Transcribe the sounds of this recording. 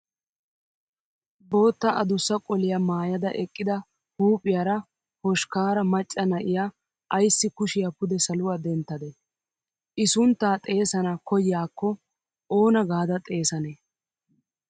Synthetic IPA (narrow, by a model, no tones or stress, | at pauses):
bo̞ːt̪ːɐʔɐd̪ʊsːɐkʼɔlɪjɐmaːjɐd̪ɐ̰ʔɛkʼːɪd̪ɐ | huːpʼɪjaːɾɐ | hɔʃkaːɾɐmɐt͡ʃʼːɐnɐʔɪjaː | ʔɐjsːɪkʊʃɪjɐpʊd̪ɛsɐlʊwaːd̪ɛnt̪ːɐd̪ɛ | ʔɪsʊnt̪ːaːt̪ʼe̞ːsɐnɐkɔjɪjaːkːɔ | ʔoːnɐɡaːd̪ɐt̪ʼe̞ːsɐneː